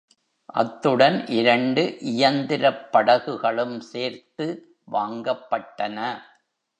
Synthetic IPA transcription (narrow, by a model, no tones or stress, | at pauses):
ʔɐ̰t̪ːɯɽɐnʔɪɾɐɳɖɯʔɪjɐnd̪ɪɾɐpːɐɽɐɣɯɣɐɭɯmseːɾt̪ɯ | ʋaːŋɡɐpːɐʈːɐnɐ